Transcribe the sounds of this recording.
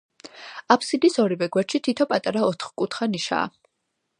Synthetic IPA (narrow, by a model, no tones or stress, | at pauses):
apʰsid̪isɔɾivɛɡwɛɾt͡ʃʃit̪ʰit̪ʰɔpʼat̪ʼaɾaɔt̪ʰχkʼut̪ʰχaniʃa̰ː